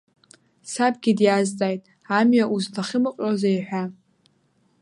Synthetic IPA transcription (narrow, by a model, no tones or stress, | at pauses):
sab̚ɡʲidjazt͡sʼajtʼ | amɥaʔuztʰaχʲɪmɨqʼazajħʷᶣa